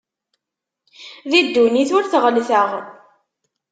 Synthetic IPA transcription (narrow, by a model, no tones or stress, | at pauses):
ðid̪ːuniθʊɾθəʁlθəʁ